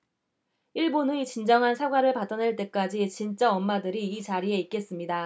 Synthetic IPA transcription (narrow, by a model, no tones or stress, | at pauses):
iɭbonɯit͡ɕind͡ʑʌŋɦansʰaɡwaɾɯɭpat͈ʌne̞ɭt͈e̞k͈ad͡ʑit͡ɕint͡ɕ͈aʌmːadɯɾiːt͡ɕaɾie̞ik͈̚e̞s͈ɯmɲida